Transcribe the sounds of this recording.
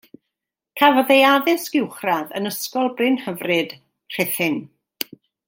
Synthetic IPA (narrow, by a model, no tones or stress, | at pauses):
kʰavɔðejaðɨsɡ̥ɪwχraðə̰nəskɔlˠbrɨnhəvrɨd̥ | r̥ɪθhɨn